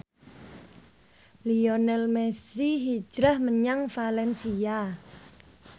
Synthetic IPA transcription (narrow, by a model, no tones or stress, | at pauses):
liɔnɛlmɛssiɦi̥ʒ̥ɾahməɲaŋfalɛnsia